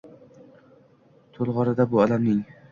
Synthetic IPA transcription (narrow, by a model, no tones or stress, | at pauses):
t̪ʰolˠʁɒɾad̪abʊɒlamnɪŋ